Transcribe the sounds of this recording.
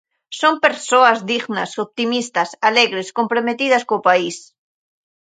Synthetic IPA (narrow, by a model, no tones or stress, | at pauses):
sompeɾsoazðiɣnasop̚t̪imist̪asaleɣɾeskompɾomet̪ið̞askopais